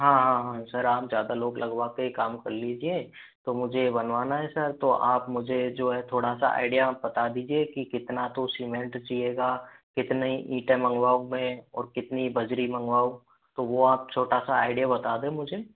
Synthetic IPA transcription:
ɦãːɦãɦãsɐɾaːpzjaːd̪aloːɡlʔɐɡʋaːkekaːmkɐɾlid͡ʒie | t̪omʊd͡ʒʱebɐnʋaːnaɦɛsɐɾt̪oʔaːpmʊd͡ʒʱed͡ʒoːɦɛt̪ʰoːɽasa̰a̰ːɪɖijabɐt̪ad̪iːd͡ʒiekikɪt̪nat̪osimẽɳʈt͡ʃieːɡakɪt̪neiʔiːʈẽmɐ̃ŋɡʋaːumẽɔːɾkɪt̪nibɐd͡ʒɾimɐ̃ŋɡʋaːũ | t̪oʋoaːp̚t͡ʃʰoːʈasaaːɪɖijabɐt̪aːd̪ẽmʊd͡ʒʱe

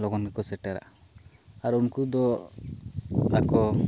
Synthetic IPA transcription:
lɔɡɔnkɛkɔsɛʈɛɾa̰ | aɾunkud̪ɔ | akɔ

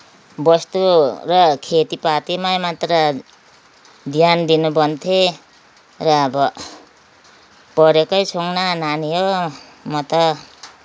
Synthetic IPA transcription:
bʌst̪urʌkʰet̪ipat̪imajmat̪rʌ | d̪ʱjand̪inubʌnt̪ʰe | rʌːbʌ | pʌɾekʌjt͡sʰoŋnananijo | mʌt̪ʌ

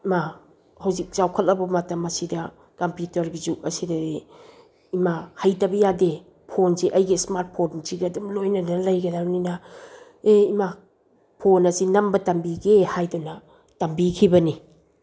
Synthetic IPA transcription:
ima | hɐwzik̚zawkʰɐt̚lɐbɐmatɐmːɐsidɐ | kɐmpjutɐɾɡizuk̚ɐsidɐe | imahɐjtɐbɐjade | pʰonziʔɐjɡismaɾt̚pʰonziɡɐdumlojnɐnɐlɐjɡɐdawninɐ | eima | pʰonɐsinɐmbɐtɐmbiɡehajdɔnɐ | tɐmbikʰibɐni

